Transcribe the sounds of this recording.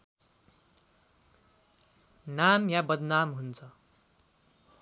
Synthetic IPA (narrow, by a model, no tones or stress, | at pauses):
namjabʌd̪namɦunt͡sʰʌ